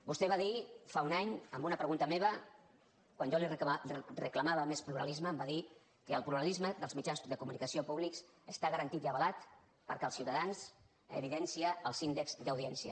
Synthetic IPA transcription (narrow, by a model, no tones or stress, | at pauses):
bust̪ɛβaðifaunaɲəmbunəpɾəɣunt̪əmeβ̞ə | kwanʒolirəkləmaβəmespluɾə̰lizməːmbaði | kəːlˠpluɾəlizməðəlˠzmid͡ʒansðəkumunikəsiopuβliks | əst̪aɣəɾənt̪it̪iəβəlat̪ | pə̰ɾkɛəlˠsiwt̪əðans | ə̰β̞iðɛnsiəːlˠsind̪əkz̥d̪əwð̞iɛnsiə̰